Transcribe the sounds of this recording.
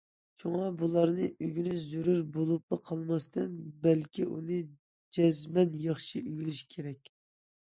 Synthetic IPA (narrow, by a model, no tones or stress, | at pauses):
t͡ʃʰoŋɑbulˠɑɾnɨʔyɡʲynɪzuɾuɾbolˠup̚lˠɨqʰɑlˠmɑst̪ɨnbælkʲʰiʔunɨ | d͡ʒɛzmɛnjɑχʃiyɡʲilyʃkʲʰeɾɛkʲ